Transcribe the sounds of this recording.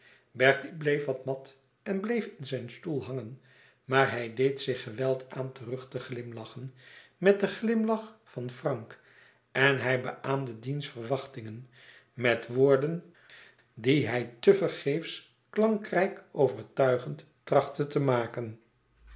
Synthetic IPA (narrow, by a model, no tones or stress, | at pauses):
bɛɹtiblejfʋɑtmɑt | ɛnblejfɪnzɛjnstulˠɦɑŋən | maːɹɦɛjdejtsɪχəʋɛlˠtʰaːntərɵχtəχlɪmlɑχənmɛt̚dəχlɪmlɑχfɑnfrɑŋk | ɛnɦɛjbə̰ʔaːmdədinsfərʋɑχtɪŋən | mɛtʋoːɹdən | diɦɛjtəvərχejfs | klɑŋkrɛjkowvəɹtœɥχənt | trɑχtətəmaːkən